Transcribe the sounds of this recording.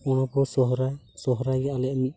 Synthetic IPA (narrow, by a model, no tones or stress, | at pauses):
ɔɽ̃ɔkɔsɔɦɾaj | sɔɦɔɾajɡaʔalɛʔmit̪̚